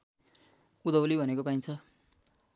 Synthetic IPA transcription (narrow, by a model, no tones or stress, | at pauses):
ud̪ʌwlibʱʌnekopaĩnt͡sʰʌ